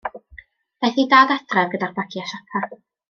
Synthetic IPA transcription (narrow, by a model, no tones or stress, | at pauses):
b̥ɛθidaːdadrɛvɡədarb̥akʰiaʃapʰa